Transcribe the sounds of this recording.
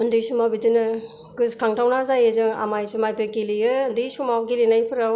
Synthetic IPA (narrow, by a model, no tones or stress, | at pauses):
ɯndɯjsumabitɯnɯ | ɡɯskʰaŋtʰawnazajɯzɯŋa̰majsɯmajpekelijɯndɯjsumawkilinajpʰɯɾaw